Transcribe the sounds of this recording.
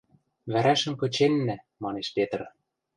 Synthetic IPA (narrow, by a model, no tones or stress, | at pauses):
βæɾæʃɘ̆mkɤ̆t͡ɕenːæ̆ | mɑneʃpet̪r